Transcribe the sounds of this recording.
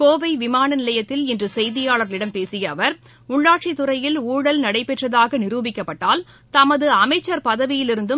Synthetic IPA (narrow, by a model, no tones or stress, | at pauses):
koːʋɐɪʋɪmaːnɐnɪlɐjɐt̪ːɪlɛndrɯsɛjðɪjaːɭɐɾlɪɽɐmpeːsɪjɐːʋɐɾ | ʊɭːaːʈt͡ʃit̪ːʊɾɐjɪluːɽɐlnɐɽɐɪpːɛʈrɐðaːɣɐnɪɾuːbɪkːɐpːɐʈːaːl | t̪ɐmɐðɯɐmɐɪt͡ʃːɐɾpɐðɐʋɪjɪlɪɾɯnd̪ɯ